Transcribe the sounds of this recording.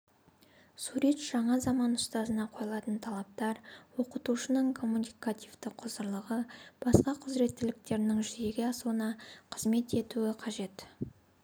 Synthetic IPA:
suɾe̞t̪ʒ̥ɑɴɑzɑmɑnʊst̪ɑzənɑqʰo̞jlˠɑt̪ənt̪ʰɑlˠɑp̚t̪ɑɾwo̞qət̪uʃənəɴkʰo̞mːunikat̪ʲivt̪ɪqqʰʊzəɾlˠəʁəb̥ɑsqɑqʰʊzɾe̞t̪ːɪlɪk̚t̪e̞ɾɪnɪŋʒʏje̞ɡʲe̞ɑsuənɑqʰəzme̞t̪e̞t̪uɪqʰɑʒe̞t̪

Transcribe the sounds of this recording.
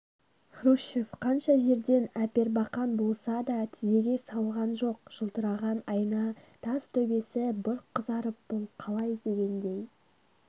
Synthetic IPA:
χruʃefqʰɑnʃɑʒe̞ɾd̪e̞næpe̞ɾbɑqɑnbo̞lˠsɑd̪ɑt̪ʰɪze̞ɡʲe̞sɑlˠʁɑnʒo̞qʒ̥əlˠt̪əɾɑʁɑnɑjənɑt̪ʰɑz̥t̪ʰɵbe̞sɪbʊɾqʰːəzɑɾəp̚b̥olˠqʰɑlˠɑjd̪e̞ɡʲe̞nd̪e̞j

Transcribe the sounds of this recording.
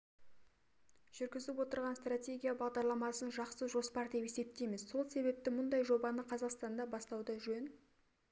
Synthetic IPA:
ʒ̥ʏɾɡʲɪzɪpwo̞t̪əɾʁɑnst̪ratʲe̞ɡʲijabɑʁd̪ɑɾlˠɑmɑsənʒɑqsəʒo̞spɑɾd̪e̞pe̞se̞p̚t̪emɪzso̞lˠse̞βe̞p̚t̪ɪmʊnd̪ɑjʒo̞bɑnəqʰɑzɑqst̪ɑnd̪ɑbɑst̪ɑwd̪əʒɵn

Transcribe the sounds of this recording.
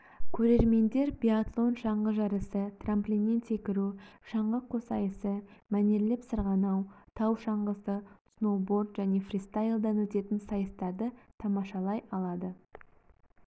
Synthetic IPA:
kʲʰɵɾe̞ɾme̞nd̪e̞ɾbʲiat̪lˠo̞nʃɑɴʁəʒɑɾəsət̪ʰramplʲinːe̞nse̞kʲɪɾuʃɑɴʁəqʰːosɑjəsəmæne̞ɾlepsəɾʁɑnɑwt̪ʰɑwʃɑɴʁəsəsno̞bo̞ɾd̪ʒæne̞frʲist̪ajlˠd̪ɑnwɵt̪e̞t̪ɪnsɑjəst̪ɑɾd̪ət̪ʰɑmɑʃɑlˠɑjɑlˠɑd̪ə

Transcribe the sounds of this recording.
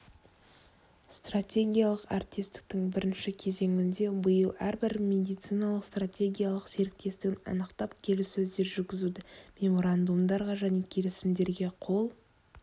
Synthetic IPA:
st̪rat̪ʲe̞ɡʲijalˠəqart̪ʲest̪ɪ̥k̚t̪ɪŋbɪɾɪnʃɪkʲʰe̞ze̞ŋʲɪnd̪e̞bəjəlˠæɾbɪɾmʲe̞d̪ijt̪sɨjnɑlˠəqst̪ratʲe̞ɡʲijalˠəqse̞ɾɪk̚t̪e̞st̪ɪɡʲɪnɑ̰nəqt̪ɑpkʲʰe̞lɪsːɵzd̪e̞ɾʒʏɾɡʲɪzud̪ɪmʲe̞mo̞ɾand̪umd̪ɑɾʁɑʒæne̞kʲʰe̞lɪsɪmd̪e̞ɾɡʲe̞qʰo̞lˠ

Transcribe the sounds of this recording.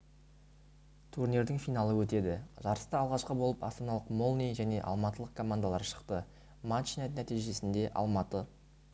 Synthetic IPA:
t̪ʰurnʲeɾd̪ɪŋfijnɑlˠəwɵt̪e̞d̪ɪʒ̥ɑɾəst̪ɑɑlˠʁɑʃqəbolˠəpɑ̰st̪ɑnɑlˠəqmolˠnʲijʒæne̞ʔɑ̰lˠmɑt̪əlˠəqkʰo̞mand̪alˠɑɾʃə̥qt̪ə | mant͡ʃinet̪næt̪ijʒe̞sɪnd̪e̞ʔɑ̰lˠmɑt̪ə

